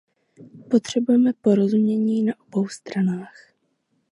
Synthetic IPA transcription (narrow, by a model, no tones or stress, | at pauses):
po̞t̪r̝̥ɛbujɛmɛpo̞ɾo̞zumɲɛɲiːnaʔo̞bo̞wst̪ɾanaːx